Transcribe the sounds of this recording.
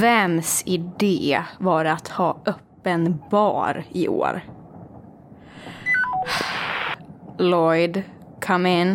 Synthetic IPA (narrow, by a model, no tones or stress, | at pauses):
vɛmsɪd̪eːvɑɾat̪hɑːʔœpːənbɑ̰ːɾɪʔo̰ːɾ | lɔjd̪ | kʰamɪn